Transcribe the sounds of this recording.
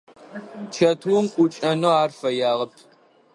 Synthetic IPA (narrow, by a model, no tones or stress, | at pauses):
t͡ʃʰɐtʰumkʷʼʊt͡ʃʼɐnoːaːrfɐjaːʁɐpʰ